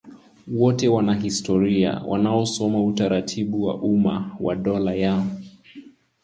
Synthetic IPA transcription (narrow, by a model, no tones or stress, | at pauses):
wɔtɛwanaɦistɔɾia̰wʔa̰naɔsɔmautaɾatʰiɓuwa̰ʔuma̰wa̰ɗɔlajaɔ